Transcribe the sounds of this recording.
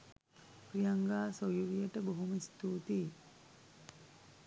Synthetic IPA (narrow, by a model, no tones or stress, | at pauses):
prijaŋɡaːsojuɾijəʈəboɦuməist̪uːt̪iː